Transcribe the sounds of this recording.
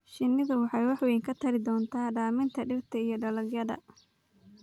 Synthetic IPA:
ʃɪnːɪðʊwɑħɑjwɑħwiːŋkʰɐt̪ʰɐɾɪd̪ɔːnt̪ʰaːɖaːmɪnt̪ʰɐɖɪrt̪ʰɐijɞɖɐlɐɡjɐðɐ̰

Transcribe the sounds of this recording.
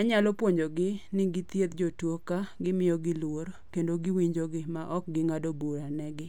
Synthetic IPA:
aɲalɔpwoɲd͡ʒoɡɪnɪɡɪt̪jet̪d͡ʒotwokaɡɪmɪjɔɡɪlwoɾkendoɡɪwiɲd͡ʒoɡɪmaʔɔk̚ɡɪŋadobuɾanɛɡɪ

